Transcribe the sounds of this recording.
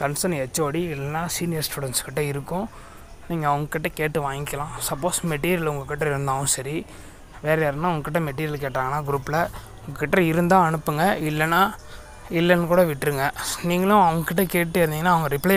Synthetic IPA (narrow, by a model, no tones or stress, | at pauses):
kɐnsɐɾnɛt͡ʃːoːɽiɪlːɛnːaːsiːnɪjɐɾsʈuːɽɛnskɪʈːɐɪɾɯkːʊ̃ | niːŋɡɐːʋɐŋɡɐkːɪʈːɐkeːʈːɯʋãːŋɡɪkːɐlãːsɐpːoːsmɛʈːiːɾɪjɐlʊŋɡɐkːɪʈːɐɪɾɯnd̪aːʋʊ̃sɐɾi | ʋeːɾɐjaːɾɯnːaːʊŋɡɐkːɪʈːɐmɛʈ̬ːiːɾɪjɐlk̬eːʈːɾaːŋɡɐnːaːɡɪɾuːpːɪlɐ | ʊŋɡɐkːɪʈːɐɪɾɯnd̪ãːɐɳɯpːɯŋɡɐɪlːɛnːaː | ɪlːɐnkuːɽɐʋɪʈːɪɾɯŋɡɐniːŋɡɐlʊ̃ɐʋɐŋɡɐkːɪʈ̬ːɐkeːʈːɯɪɾɯniːŋɡɐnːaːʋɐŋɡɐɾɪplɐ